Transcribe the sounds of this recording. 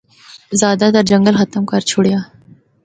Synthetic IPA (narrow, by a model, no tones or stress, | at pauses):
zɑːd̪at̪aɾd͡ʒɐŋɡəlxat̪əmkɑɾt͡ʃʰʊɽja